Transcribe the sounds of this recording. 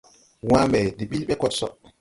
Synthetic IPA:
waːmɛdiɓilɓɛkɔtsɔ̰

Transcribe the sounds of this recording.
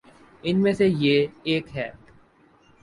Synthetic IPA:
ɪnmẽsejeeːkɦɛː

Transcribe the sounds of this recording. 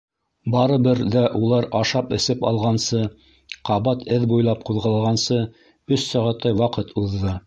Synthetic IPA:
bɑɾɤ̆bɘɾðæʔulˠɑɾɑʃɑpɘ̆sɘpɑ̰lˠʁɑnsɤ | qɑβɑt̪ʰɘðbujlˠɑp̚quðʁɑlˠɑʁɑnsɤ | ɵsːɑʁɑt̪ɑjwɑqɤt̪ʰuðːɤ

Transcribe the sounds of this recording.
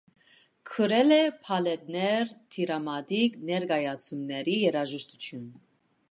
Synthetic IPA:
kʰəɾɛlɛpʰɑlɛt̪̚nɛɾt̪ʰiɾɑmɑd̪iknɛɾɡɑjɑt͡sʰumnɛɾijɛɾɑʒəʃt̪ut̪ʰjun

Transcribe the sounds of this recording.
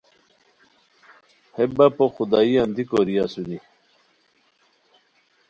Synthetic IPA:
hebapoxud̪aːiand̪ikoɾiasuni

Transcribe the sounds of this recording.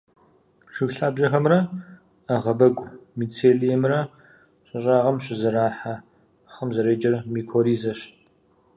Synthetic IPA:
ʂɨxɬaːbʑɐxɐmrɐ | ɐʁɐbɐɡʷʼmiːt͡sʰeːlijɛmrɐ | ɕɪɕʼaːʁɐmɕɪzɐɾaːħa | χɐmzɐɾeːd͡ʒɐrmiːkʰoːɾiːzɐɕ

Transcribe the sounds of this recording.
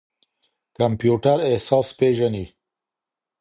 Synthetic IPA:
kampjuʈaɾehsɑːspeʒani

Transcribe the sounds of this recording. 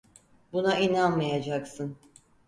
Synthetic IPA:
bunaʔinanmajad͡ʒaksɯn

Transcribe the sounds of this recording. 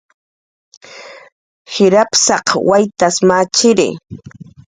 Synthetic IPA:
hɪɾapsɑqwajt̪asmat͡ʃɪɾɪ̰

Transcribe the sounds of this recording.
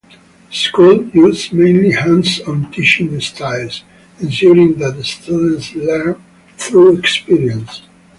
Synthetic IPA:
skulˠjuzmẽɪ̃nlihãnsɔ̃ntʰɪʃɪ̃ŋəstʰaɪlˠz | ɛ̃nsjuɾɪ̃ŋðætəstʰudə̃nslɛɹm | θɹuɛkspiɹiə̃ns

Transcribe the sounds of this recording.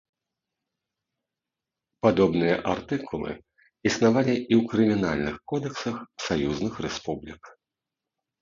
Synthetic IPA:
pad̪ɔbnɨjɐʔart̪ɨkulˠɨ̰ | isnavalʲiʔiwkɾɨmʲinalʲnɨxkɔd̪ɛksɐxsajuznɨxrɛspublʲik

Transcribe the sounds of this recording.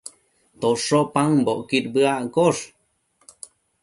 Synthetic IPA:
t̪oʂopaŋboʔkiɾbəaʔkoʂ

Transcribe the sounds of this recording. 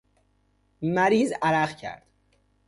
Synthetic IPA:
mæɾiːzæɾæɢcʰæ̰ɾd̪̥

